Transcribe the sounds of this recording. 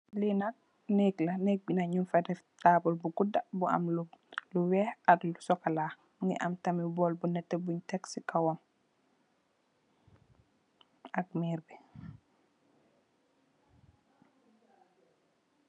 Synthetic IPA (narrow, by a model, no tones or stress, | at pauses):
linak̚ | nɛklɐnɛːk̚binaɲunfadɛftaːbɔlbuɡudabua̰mluluwɛːhatlusɔkalaː | ŋɡḭʔa̰mtɐmibɔːlbunɛtːɛbuɲtɛksikawɔm | ɐk̚miːɾbi